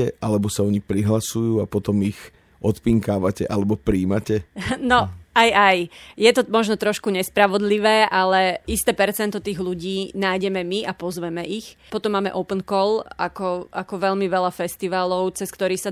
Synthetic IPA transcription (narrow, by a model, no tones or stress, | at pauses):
ɛʔalɛbɔsaɔɲixpɾiɦlasujuːapɔt̪ɔmix | ʔɔt̪piŋkaːʋacɛʔalɛbɔpɾiːmacɛnɔajajjɛt̪ɔmɔʒnɔt̪ɾɔʃkuɲɛspɾaʋɔd̪liʋɛːʔalɛist̪ɛːpɛɾt͡sɛnt̪ɔt̪iːɣluɟiːnaːjɟɛmɛmiʔapɔzʋɛmɛʔixpɔt̪ɔmːaːmɛ̰ʔɔpənkɔlakɔʔakɔʋɛʎmiʋɛʎafɛst̪iʋaːlɔʊt͡sɛskt̪ɔɾiːsa